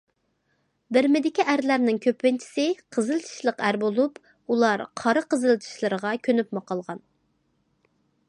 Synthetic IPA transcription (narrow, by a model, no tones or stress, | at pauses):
bɪɾmɪd̪ɪkʲiʔæɾlæɾnɪŋkʲʰøpːɪnt͡ʃʰi̥sɪqʰəzɨlˠɨt͡ʃ̪ʰi̥ʃlˠəqæɾbolˠup | ulˠɑɾqʰɑɾɨqəzɨlˠt͡ʃʰi̥ʃlˠɨɾəʁɑkʲʰønypmɑqɑlˠʁɑn